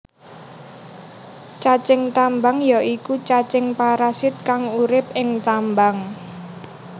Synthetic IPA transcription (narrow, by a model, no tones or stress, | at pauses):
t͡ʃat͡ʃɪŋt̪ambaŋjaʔikut͡ʃat͡ʃɪŋpaɾasɪt̪̚kaŋuɾɪp̚ɪŋt̪ambaŋ